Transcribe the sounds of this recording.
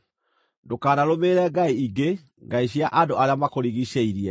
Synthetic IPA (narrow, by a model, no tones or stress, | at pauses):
ndokaːnaɾomeːɾɛɡaiiɡe | ŋɡaiɕ̬iaʔandoaɾeamakoɾiɣiɕeiɾiɛ